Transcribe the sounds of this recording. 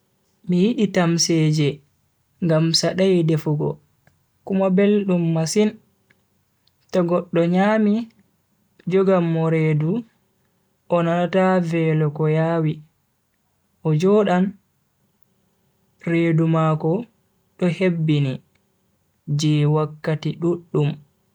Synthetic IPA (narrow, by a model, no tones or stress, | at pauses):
mijiɗitamsɛd͡ʒɛ | ŋɡamsaɗajdefuɡɔ̰ | kumabelɗumːasin | tɔɡɔɗːɔɲaːmi | d͡ʒɔɡamːɔɾeːdu | ʔɔnanatavɛlɔkɔjaːwi | ʔɔd͡ʒɔːɗan | redumaːkɔ | ɗɔhebːini | d͡ʒɛwakːatiɗuɗːum